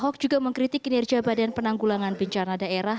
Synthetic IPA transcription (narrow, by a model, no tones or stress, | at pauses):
ɦɔk̚d͡ʒuɡaməŋkɾit̪ɪkinɛrɡiabadɛnpənaŋɡulaŋanbəɲt͡ʃanadaeɾah